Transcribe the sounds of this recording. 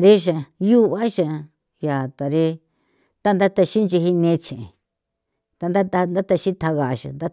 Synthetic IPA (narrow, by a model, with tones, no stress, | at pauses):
ɾe˦ʃ̬a˨ju˦βa˦ʃa˧ | ja˨t̪a˨ɾe˦ | t̪a˦nd̪a˦t̪a˧ʃi˦nt͡ʃi˧ɦi˧nẽ˧t͡ʃẽ˨ẽ˨ | t̪a˧nd̪a˦t̪a˧nd̪a˦t̪a˧ʃĩ˦t̪ʰa˧ɣa˨ʃa̰˨nd̪a˦